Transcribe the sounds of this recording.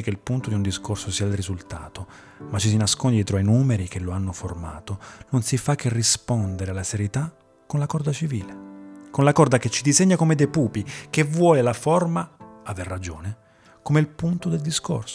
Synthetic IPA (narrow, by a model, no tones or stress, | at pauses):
ikeilpunt̪od̪iund̪iskorsosiːailrizult̪a̰ːt̪o | mat͡ʃːis̬inaskond̪ijɛt̪ɾoajnuːmeɾik̟eloanːoforma̰ːt̪ononsifakːerːispɔnd̪eɾealːaseɾjet̪a | kːonlakɔrd̪at͡ʃivḭːlekonlakɔrd̪aket͡ʃːid̪izeɲːakomed̪epuːpikevwɔːlelafɔrmaaverːad͡ʒo̰ːne | komelpunt̪od̪eld̪isko̰rso